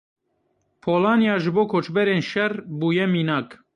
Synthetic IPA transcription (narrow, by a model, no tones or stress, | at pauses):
pʰoːlɑːnjɑːʒɨboːkʰoːt͡ʃbɛɾeːnʃɛrbuːjɛmiːnɑːk